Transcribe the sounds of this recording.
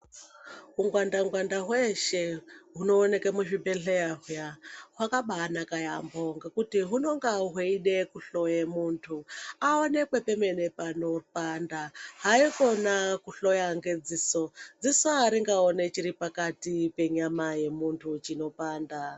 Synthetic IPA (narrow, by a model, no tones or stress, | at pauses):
ɦuŋɡwandaŋɡwandaɦweʃe̞ɦuno̞ːne̞kemuʐibeɬeaɦujaɦwakaɓaːnakajamboŋɡekutiɦuno̞ŋɡaɦeiɗekuɬojemuntʰuaone̞kwepeme̞nepano̞pandaɦaiko̞nakuɬojaŋɡed͡zisod͡zisoɦaɾiŋɡaone̞t͡ʃiɾipakatipe̞ɲamaje̞muntʰut͡ʃino̞paːnda